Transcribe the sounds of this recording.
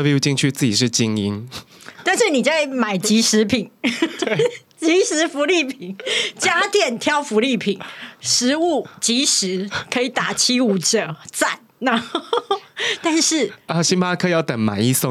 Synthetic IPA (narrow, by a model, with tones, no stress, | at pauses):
ə˥˧bju˥˧t͡ɕi˥˧ŋt͡ɕʰy˥t͡sɨ˥˩t͡ɕi˨˩ʂ̬ɻ̩˥˩t͡ɕi˦˥ŋi˦n | t̪a˥˧nʂɻ̩˥˩ni˨˩t͡sa˥˩ɪma˨˩ɪt͡ɕi˨˥ʂɻ̩˧˥pʰi˨˩˦n | t͡ɕi˨˥ʂɻ̩˧˥fu˧˥li˥˩pʰi˨˩nt͡ɕja˥t̪jɛ˥˩nt̪ʰjɑ˥˧ʊfu˧˥li˥˩pʰi˨˩˦nʂɻ̩˧˦u˥˩t͡ɕi˧˥ʂɻ̩˧˦kʰɤ˧˥i˨˩t̪a˨˩t͡ɕʰi˥u˨˩ʈ͡ʂə˨˦t͡sa˥˩n | na˥˧xo˥˩t̪a˥˧nʂɻ̩˥˩ə˧˩ɕi˥npʰa˦˥kʰə˧i˨˩jɑ˥˩ʊt̪ə˨˩˦ŋma̰˨˩ɪi˥˧so˥˨